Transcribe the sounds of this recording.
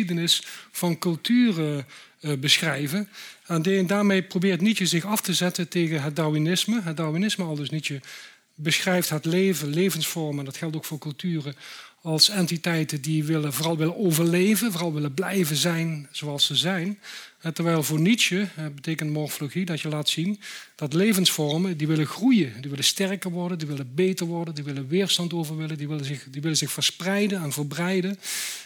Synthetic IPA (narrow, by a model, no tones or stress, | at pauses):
idənɪsfɑnkɵlˠtʰyːrə | bəsxrɛjvənɛndaːɹmejprobɪːrtnitjəzɪxɑftəzɛtəntejɣənɦət̚dainɪsməɦət̚dawʋinɪsməɑlˠdɵsnitə | bəsxrɛjftɦətlejvənlejvənsfɔɹmɛndɑtxɛlˠtowkfʊːɹkɵlˠtyːrəɑlˠsɛntitɛjtədiʋɪləvoːrɑlˠʋɪlənowvəɹlejvənvoːrɑlˠʋɪlənblɛjvəzɛjnz̥oɑlˠsəzɛjnɛtəɹʋɛjlˠvʊːɹnitt͡ʃəɦɛbətejkəntmɔɹfloɣidɑtjəlaːtsind̥ɑtlejvənsfɔɹməndiʋɪləxrujədiʋɪləstɛrkəɹʋɔɹdəndiʋɪlənbejtəɹʋɔɹdəndiʋɪlənʋɪːɹstɑntowvəɹʋɪləndiʋɪləɪxdiʋɪlənzɪxfəɹsprɛjdənɛnvəɹbrɛjdən